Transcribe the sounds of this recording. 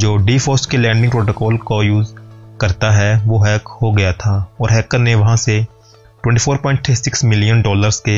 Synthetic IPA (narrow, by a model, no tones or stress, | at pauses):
d͡ʒoːɖiːfɔːsʈkelɛ̃ːɳɖɪ̃ŋɡpɾoːʈoːkɔːlkojuːzkɐɾt̪aɦɛʋoːɦɛːkhoɡɐjat̪ʰaɔːɾɦɛːkəneʋɐɦãse | ʈwɛ̃ɳʈiːfʰoːɾpɔ̃ːɪ̃ɳʈʰːeːsɪksmɪlijənɖɔːləɾske